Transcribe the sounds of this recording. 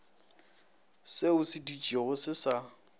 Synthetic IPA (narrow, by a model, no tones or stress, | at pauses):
seʊsɪdut͡ʃʼieɣʊsɪsa